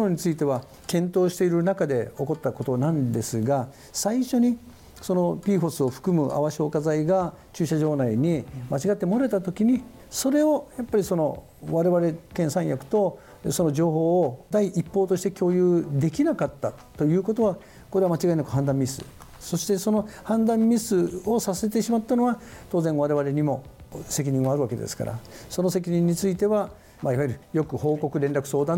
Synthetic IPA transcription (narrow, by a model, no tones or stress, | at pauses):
noɲ̟it͡sɨit̪e̞βa | kẽ̞nt̪o̞ːɕi̥t̪e̞iɾɯ̟nakad̪e̞o̞ko̞t̪ːako̞t̪o̞nãnd̪e̞sɨɡa | saiɕo̞ɲ̟i | so̞no̞pʲiːɸo̞sɨo̞ɸɯ̟̥kɯ̟mɯʔa̰βaɕio̞ːkazaiɡa | t͡ɕɨːɕaʑo̞ːnaiɲ̟imat͡ɕiɡat̪ːe̞mo̞ɾaet̪at̪o̞kʲiɲ̟i | so̞ɾe̞o̞japːaɾʲiso̞no̞ | βaɾe̞βaɾe̞kẽ̞ɰ̃sãɰ̃jakɯ̟̥t̪o̞ | so̞no̞ʑo̞ːɦo̞ːd̪aiʔipːo̞ːt̪o̞ɕit̪e̞kʲo̞ːjɯ̟ːd̪e̞kʲinakat̪ːa | t̪o̞jɯ̟ːko̞t̪o̞βa | ko̞ɾe̞βamat͡ɕiɡainakɯ̟ɦãnd̪ãmmʲisɨ̰ | so̞ɕi̥t̪e̞so̞no̞hãnd̪ãmːʲisɨo̞sase̞t̪eɕimat̪ːano̞βat̪o̞ːzẽɰ̃βaɾe̞βaɾe̞ɲ̟imo̞se̞k̬ʲiɲ̟ĩɰ̃βaɾɯ̟βake̞d̪e̞̰sɨ̥ka̰ɾa̰so̞no̞se̞kʲiɲĩɲ̟ːit͡sɨit̪e̞βa | maiβaiɾɯ̟jo̞kɯ̟ho̞ːko̞kɯ̟ɾẽ̞nɾakɯ̥so̞ːd̪ã